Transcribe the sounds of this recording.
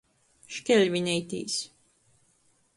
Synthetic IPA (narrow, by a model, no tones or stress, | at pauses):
ʃkʲɛlʲvʲinʲɛjt̪ḭːs